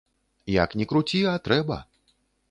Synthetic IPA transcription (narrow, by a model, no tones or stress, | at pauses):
ja̰knʲɛkɾut͡sʲiat̪ɾɛbɐ̰